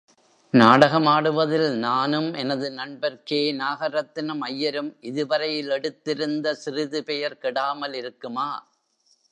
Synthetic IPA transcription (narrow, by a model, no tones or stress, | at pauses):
naːɽɐɣɐmaːɽɯʋɐðɪlnaːnɯmʔɛnɐðɯnɐɳbɐɾkeːnaːɣɐɾɐt̪ːɪnɐmɐjːɐɾɯmʔɪðɯʋɐɾɐjɪlɛɽɯt̪ːɪɾɯnd̪ɐsɪɾɪðɯpɛjɐɾkɛɽaːmɐlɪɾɯkːɯmaː